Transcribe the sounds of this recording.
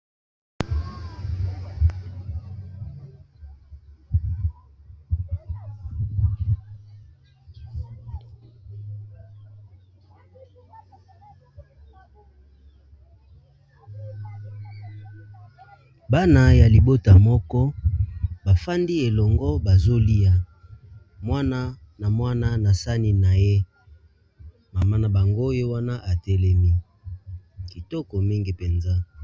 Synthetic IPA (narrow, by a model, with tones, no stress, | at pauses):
ba˦na˨ja˨li˨bo˦ta˨mɔ˦kɔ˦ | ba˨fa˦ndi˦e˨lɔ˨ŋɡɔ˦ba˨zo˦li˦ja˨ | mwa˦na˦ | na˨mwa˦na˦na˨sa˦ni˦na˨je˦ | ma˨ma˦na˨ba˨ŋɡo˦je˦wa˦na˦ʔa˨tɛ˦lɛ˦mi˦ | ki˨tɔ˦kɔ˨mi˦ŋɡi˨pe˨nza˦